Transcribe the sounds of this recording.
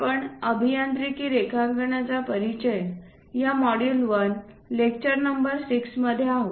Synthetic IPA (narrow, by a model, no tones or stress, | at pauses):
pəɳəbʱijant̪ɾikiːɾekʰaŋɡəɳat͡sapəɾit͡ɕəjən | jamɔɽilʋən | lek̚t͡ɕəɾnəmbəɾsiksməd̪ʱːjeaɦo